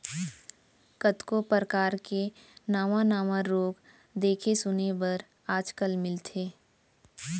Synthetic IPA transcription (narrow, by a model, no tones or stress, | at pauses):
kət̪kopɾəkaːɾkenaːʋãnaːʋãɾoːɡ | d̪eːkʰesʊnebəɾ | aːd͡ʒkəlmɪlt̪ʰeː